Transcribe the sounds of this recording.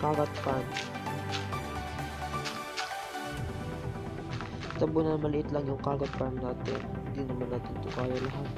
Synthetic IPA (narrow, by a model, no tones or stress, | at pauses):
kaːɡɐt̪̚pan | t̪ɐbonɐmɐlɪʔɪt̪laŋjʊŋkaːɡɐt̪̚pannaːt̪ɪ̰nɪd̪iːnɐmɐnːaːt̪ɪnt̪ʊkaːjɐlɐɦat̪̚